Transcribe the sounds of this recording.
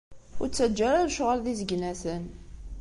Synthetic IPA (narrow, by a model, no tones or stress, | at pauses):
ʊ̰ɾt͡sːæd͡ʒːæɾaɾʃʁəlðizəɡnæsən